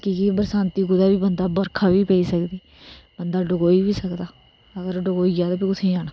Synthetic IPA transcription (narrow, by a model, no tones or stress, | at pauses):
kikibəɾsãːnt̪iːɡʊd̪aːbiːbənd̪aːbəɾkʰaːʋiːpɛiːsəkd̪iː | bənd̪aːɖəɡoːiːʋiːsəkd̪aː | əɡəɾɖʊɡoːiːɡjaːd̪aːpiːkʊt̪ʰẽːd͡ʒaːnaː